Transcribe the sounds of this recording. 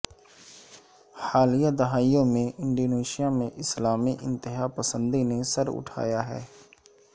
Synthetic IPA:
xaːlijad̪ɐɦaːijõmẽʔɪ̃ɳɖoːneːʃijamẽʔɪslaːmiʔɪ̰̃nt̪ɪɦaːpəsə̃nd̪inesəɾʊ̰ʈʰa̰ːjaɦɛ̰ː

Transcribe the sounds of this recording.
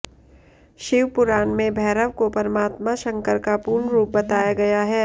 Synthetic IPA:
ʃɪʋpʊɾaːnmẽbʱɛːɾəʋkopɐɾmaːt̪maʃɐ̃ŋkəɾkapuːɾɳɾuːp̚bɐt̪aːjaɡɐjaɦɛː

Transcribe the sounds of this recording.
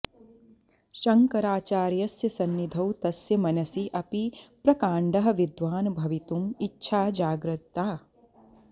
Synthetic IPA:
ʃɐŋkɐɾaːt͡ʃaːɾjɐsjɐsɐnːid̪ʱɐwt̪ɐsjɐmɐnɐsiʔɐpipɾɐkaːɳɖɐɦɐ̆ʋid̪ʋaːnbʱɐʋit̪umitːʃʰaːd͡ʒaːɡɾɐt̪ːaː

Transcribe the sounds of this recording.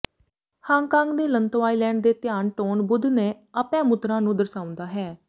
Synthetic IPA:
hãːŋɡkãːŋɡd̪eːlənt̪oaːiːlɛ̃ːɳɖd̪eːt̪ɪjaːnʈoːnbʊd̪neː | əpɛ̃ːmʊt̪ɾãːnũːd̪əɾsaːʊ̃nd̪aːɦɛː

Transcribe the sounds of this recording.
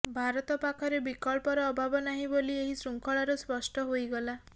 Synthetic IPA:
bʱaɾɔt̪ɔpakʰɔɾebikɔɭpɔɾɔːbʱabɔnaɦĩbolieɦisɾuŋkʰɔɭaɾuspɔsʈɔɦojɡɔla

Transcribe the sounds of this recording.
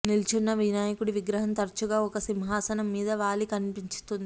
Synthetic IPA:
nilt͡ʃunːɐʋinaːjɐkuɽiʋiɡɾɐɦɐnt̪ɐɾt͡ʃuɡaːɔkɐsimɦaːsɐnɐmːiːd̪ɐʋaːlikɐnipiɲt͡ʃu̥t̪und̪i

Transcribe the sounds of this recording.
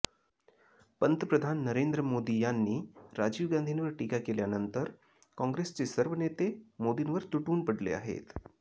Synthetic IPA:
pənt̪əpɾəd̪ʱanːəɾend̪ɾəmod̪ijanːiːɾad͡ʑiːʋɡand̪ʱinʋəɾʈikakeljanənt̪əɾ | kɔ̃ŋɡɾest͡sesəɾʋənet̪emod̪inʋəɾt̪uʈuːnpəɽlḛa̰ɦḛt̪

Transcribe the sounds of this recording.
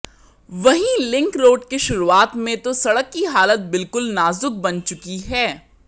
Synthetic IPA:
ʋɐɦĩlɪ̃ŋkɾoːɖkeʃʊɾuaːt̪mẽt̪osɐɽəkːiɦaːlət̪̚bɪlkʊlnaːzʊk̚bɐnt͡ʃʊkiɦɛː

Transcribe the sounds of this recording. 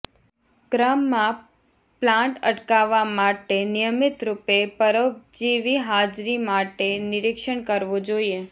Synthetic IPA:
ɡɾamːã | plãɳʈə̰ʈkaʋamaʈenɪjəmɪt̪ɾupepəɾəp̚d͡ʒiʋiɦad͡ʒɾimaʈenɪɾɪkʃəɳkəɾʋod͡ʒoie

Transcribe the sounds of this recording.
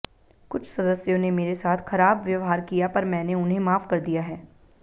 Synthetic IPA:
kʊt͡ʃʰsɐd̪əsjõnemeːɾesaːt̪ʰxɐɾaːbʋjɐʋɦaːɾkijapɐɾmɛ̃ːneʊnɦẽmaːfkɐɾd̪ijaɦɛː

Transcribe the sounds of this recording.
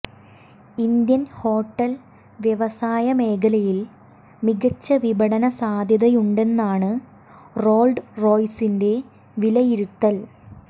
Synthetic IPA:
ind̪jɐnho̞ːʈːɐl | ʋjeʋɐsaːjɐme̞ːkɐlɐjil | miɡɐt͡ɕːɐʋibɐɽɐnɐsaːd̪ʱjɐðɐjuɳɖe̞nːaːɳɨ | ro̞ːlɖro̞ːjsinde̞ | ʋilɐjiɾut̪ːɐl

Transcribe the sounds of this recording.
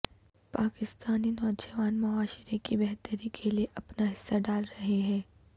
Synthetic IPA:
paːkɪst̪aːninɔːd͡ʒəʋaːnmʊaːʃɪɾekibɛɦt̪əɾikʰelieʔɐpnaɦɪsːaɖaːlɾɐɦeɦɛ̃ː

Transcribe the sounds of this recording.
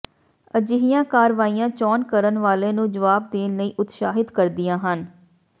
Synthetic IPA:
əd͡ʒɪɦijãːkaːɾʋaːijãːt͡ʃɔːnkəɾənʋaːleːnũːd͡ʒəʋaːb̚d̪eːnləiːʔʊt̪ʃaːɦɪd̪kəɾd̪ɪjãːɦən

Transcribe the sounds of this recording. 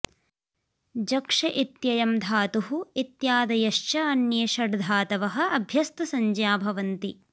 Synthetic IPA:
d͡ʒɐkʂɐʔit̪jɐjɐmd̪ʱaːt̪uɦuit̪jaːd̪ɐjɐʃt͡ʃɐɐnjeːʃɐɽd̪ʱaːt̪ɐʋɐɦɐ̆ɐbʱjɐst̪ɐsɐɲd͡ʒjaːbʱɐʋɐnt̪i

